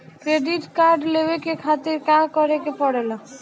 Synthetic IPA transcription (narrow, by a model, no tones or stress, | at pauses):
kɾeɖiʈkaɾɖlewekekʰat̪ɪɾkãkɔɾekepɔɽela